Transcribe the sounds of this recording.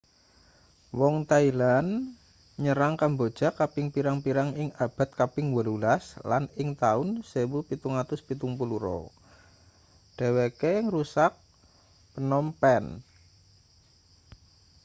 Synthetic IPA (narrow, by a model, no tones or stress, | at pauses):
wɔŋt̪ailan | ɲəɾaŋkambod̥ʒ̥a̤kapɪŋpiɾaŋpiɾaŋɪŋab̥a̤t̪̚kapɪŋwəlulaslanɪŋt̪aʊnsewupit̪uŋat̪ʊspit̪uŋpuluɾɔ̰ | ɖ̥e̤wekeŋrusak̚ | pənɔmpɛn